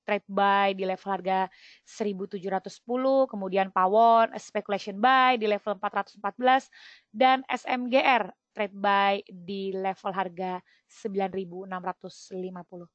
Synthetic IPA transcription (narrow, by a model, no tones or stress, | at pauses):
t̪ɾet̪̚bajdilɛfəlharɡa | səɾibut̪ud͡ʒuɾat̪uspuluhkəmudianpawɔnɛ̰spekulasiɔnbajdilɛfələmpat̪rat̪u̥səmpat̪̚bəlas | danɛ̰sɛmɡeʔɛrt̪ɾet̪̚bajdilefəlɦarɡa | səmbilanribuənamrat̪uslimapuluh